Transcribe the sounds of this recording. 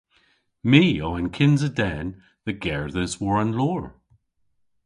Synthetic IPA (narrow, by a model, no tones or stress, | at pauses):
miːoə̃nkʰɪ̃nzədɛn | ðəɡɛɹðəzwəɹə̃nlɔːɹ